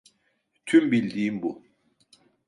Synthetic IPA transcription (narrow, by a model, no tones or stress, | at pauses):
t̪ʰymbilʲd̪iːimbu